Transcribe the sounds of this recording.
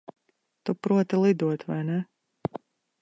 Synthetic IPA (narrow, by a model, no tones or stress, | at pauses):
t̪upɾuɔt̪ilˠid̪uɔt̪va̰jnɛ